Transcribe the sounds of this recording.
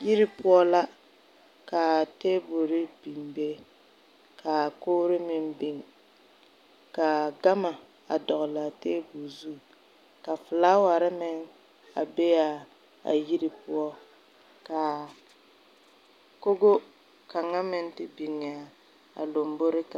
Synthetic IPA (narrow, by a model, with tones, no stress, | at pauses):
ji˦ɾɪ˦pʊ˦ɔ˦la˦ | ka˨teː˦bo˨ɾɪ˦b̥i˨mbe˦ | kʰa˨ko˦ɾɪ˦mɪ˦mbɪ˨ŋ | ka˨ɡa˦ma˨ | a̰˨dɔ˨ɣla˨teː˦bu˨zu˦˨ | ka˨fʊ˨laː˦wa˨ɾɪ˦mɪ˦ŋ | a̰˨be˦ja˨ | a̰˨ji˦ɾi˦pʊ˦ɔ˦ | ka˨ | ko˦ɡo˦ | ka˨ŋa˦mɪ˦n˦tɪ˦bi˨ŋɪ˨a˨ | a̰˨lo˨mbo˦ɾɪ˦ka˨